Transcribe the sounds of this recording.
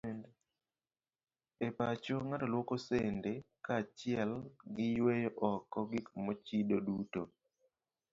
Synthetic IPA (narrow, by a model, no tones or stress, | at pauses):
nd | epat͡ʃoŋatolwokosendekat͡ʃɪɛlɡɪjwejoʔɔkɔɡikmɔt͡ʃidoduto